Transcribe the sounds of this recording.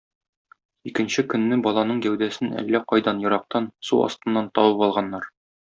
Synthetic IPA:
ikɘ̆nɕɘkɵ̆nːɘbɒlˠɑnɤɴɡæwd̪æsɘnæ̰lːæqɒjd̪ɑnjɤ̆ɾɑq̚t̪ɑnsuɒ̰st̪ɤ̆nːɑnt̪ɒwɤpɒlˠʁɑnːɑɾ

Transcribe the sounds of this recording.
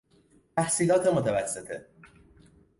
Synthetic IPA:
t̪æhsiːlɒːt̪ʰemot̪ʰævæsːet̪ʰḛ

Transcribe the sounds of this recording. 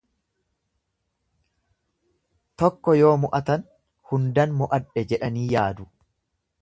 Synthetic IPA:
t̪ɔkːɔjo̞ːmʊʔɐt̪ɐn | hʊnd̪ɐnmʊʔɐᶑɛd͡ʒɛᶑɐniːjaːd̪ʊ

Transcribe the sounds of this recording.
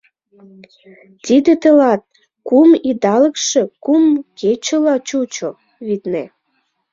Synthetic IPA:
t̪id̪et̪əlɑt̪̚ | kumid̪ɑlə̆kʃĕkumket͡ɕəlɑt͡ɕut͡ɕo | βit̪ne

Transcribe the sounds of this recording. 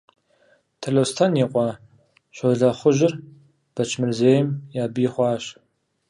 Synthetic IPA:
tʰɐɮowstʰɐnjiqʷʼɑ | ɕʷɔɮɐχʷʊʒɪr | b̥ɐt͡ʃʰmɨrzeːjɪmjaːbijɪχʷɑːɕ

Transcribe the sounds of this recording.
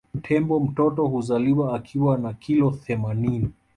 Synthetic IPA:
m̩tʰɛmbɔm̩tɔtɔhuzaliwaːkʰiwanakilɔθɛmanini

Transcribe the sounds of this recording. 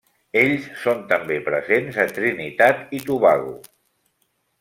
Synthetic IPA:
eʎssont̪əmbepɾəzenzət̪ɾinit̪at̪it̪uβaɣṵ

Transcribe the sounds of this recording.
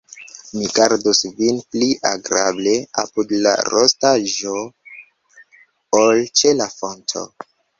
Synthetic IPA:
miɡaɾdusvinpliʔaɡɾable̞apudla̰ɾʔostaʒo | olt͡ʃelafo̞ntʰo̞̰

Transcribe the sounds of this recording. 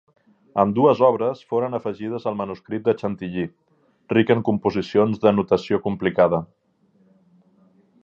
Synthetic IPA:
əmd̪uəzɔβ̞ɾəsfoɾənəfəʒið̞əzəlˠmənuskɾit̪̚d̪ət͡ʃənt̪iʎi | rikəŋkumpuzisionzðənut̪əsiokumplikað̞ə

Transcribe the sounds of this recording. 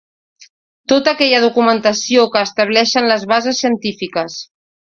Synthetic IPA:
t̪ot̪əːkɛʎəðukumənt̪əsiokəːst̪əβ̞lɛʃənləzβazəsːiənt̪ifikəs

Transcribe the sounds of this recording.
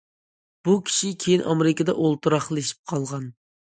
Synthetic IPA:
b̥ukʲʰi̥ʃikʲʰejinʔɑmeɾɪkʲəd̪ɛ̰ʔolˠt̪uɾɑχlˠeʃi̥p̚qʰɑlˠʁɑn

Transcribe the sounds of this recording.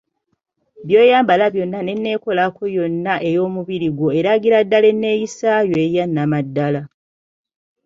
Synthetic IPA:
βjo̞ːjaːmbalaβjo̞nːane̞nːe̞ko̞lako̞jo̞nːaʔe̞jo̞ːmuβiɾiɡwo̞eɾaɡiɾadːale̞nːe̞ːjisajoejanːamadːala

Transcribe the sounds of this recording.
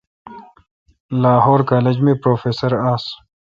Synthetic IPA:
laːɦoːɾkaːled͡ʑmẽpɾoːfeːsəɾaːs

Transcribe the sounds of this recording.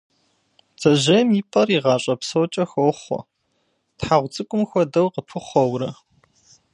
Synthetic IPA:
z̥ɐʑejmiːpʼɐriːʁɑːɕʼɐpsowt͡ʃʼɐxoːχʷɔ̰ | tħaʁʷt͡sʼɨkʷʼʊmxʷɔdɐwqəpʰɨχʷɔwɾɐ

